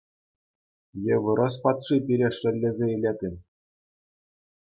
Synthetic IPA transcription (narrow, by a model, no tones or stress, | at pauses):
jeʋɯ̆ɾɤ̆s̬pɑt̪ʂipʲiɾʲeʂɘ̆lʲːezʲeilʲed̪ʲɘ̆m